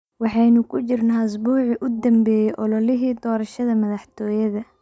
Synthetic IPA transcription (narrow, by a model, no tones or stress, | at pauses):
wɑħɑjnʊkʰʊt͡ʃɪrnaːʊs̬buːʕɪʔʊd̪ɐmbɛːjɛʔɔlɔlɪɦiːd̪ɔːɾɐʃɐðɐmɐðɑħt̪ʰɔːjɐðɐ